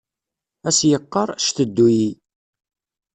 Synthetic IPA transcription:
æsjəqːəɾˤʃt̪əd̪ːuji

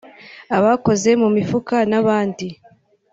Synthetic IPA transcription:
aβako̞ze̞mumifukanaβaːndi

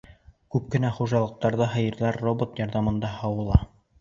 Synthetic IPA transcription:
kʉp̚kɘ̆næχuʒɑlˠɤ̆q̚t̪ɑɾðɤɦɤ̆jɤ̆ɾðˠɑɾːobot̪jɑɾðɑmɤ̆nd̪ɑhɑwɤ̆lˠɑ

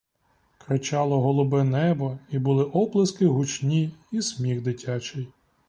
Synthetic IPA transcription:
kɾɪt͡ʃɑlˠɔɦɔlˠʊbɛnɛbɔibʊlˠɪʔɔblˠɐskɪɦʊt͡ʃnʲiismʲiɣd̪ɪtʲʰat͡ʃɪj

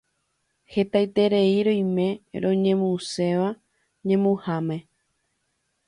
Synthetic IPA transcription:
he̞t̪ajt̪eɾe̞iɾõjmẽ̞ɾõ̞ɲẽ̞mũse̞ʋa | ɲẽ̞mũhamẽ̞

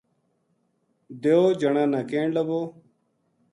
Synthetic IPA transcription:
d̪eoːd͡ʒəɳãːnaːkẽːɳləboː

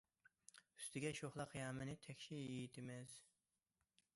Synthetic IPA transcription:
y̥st̪ʰɪɡʲɛʃoχlˠɑqjɑːmɨnɪt̪ʰɛkʲʃijejit̪ʰɪmɛz̥

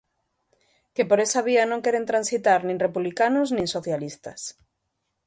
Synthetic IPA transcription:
kepoɾesaβianõŋkeɾent̪ɾansit̪aɾnĩŋrepuβlikanoznĩŋsoθjalist̪ɐs

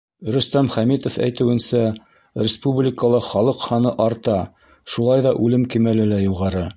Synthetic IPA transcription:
ɾɵ̆st̪æmχæmit̪ofæ̰jt̪ɘ̆wɘ̆nsæ | ɾʲɪspublʲɪkəlˠɤχɑlˠɤqhɑnɤʔɑɾt̪ɑ | ʃulˠɑjðɑʔʉlɘmkimælɘlæjuʁɑɾɤ

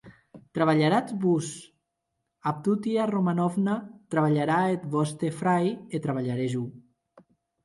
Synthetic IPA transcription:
t̪ɾaβaʎaɾat͡sbus | ap̚t̪ut̪iaromanɔvnat̪ɾaβaʎaɾaet̪βɔst̪efɾajet̪ɾaβaʎaɾeʒu

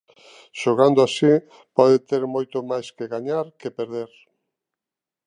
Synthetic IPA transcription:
ʃoɣand̪oʊasi | pɔðet̪eɾmojt̪omajskeɣaɲaɾkepeɾðeɾ

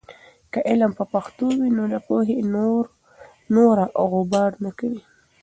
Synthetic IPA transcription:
kəʔɪlampəpaxt̪owinod̪apoɦenoɾ | noɾaʔɣʊbɑɾnakawi

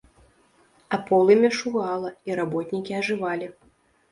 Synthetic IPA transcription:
apɔlˠɨmʲɛʂuɣalˠɐiɾabɔt̪ʲnʲikʲiaʐɨvalʲi

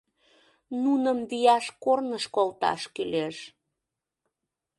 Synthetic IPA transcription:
nunəmbijɑʃkornəʃkolt̪ɑ̰ʃkyleʃ

